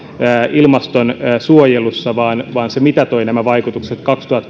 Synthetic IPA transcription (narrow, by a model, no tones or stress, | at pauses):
ilmɑst̪onːsuojelusːɑʋɑːnʋɑːnsemit̪æt̪o̞inæmæʋɑikut̪ukset̪kɑkst̪uhɑt̪ː